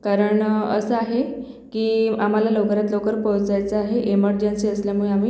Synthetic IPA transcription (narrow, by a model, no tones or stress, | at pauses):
kaɾəɳə̰səaɦe | kiːam̤alalokɾat̪lokəɾpəwt͡sajt͡səaɦeʔeməɾd͡ʑensiːəsljamuɭeamiː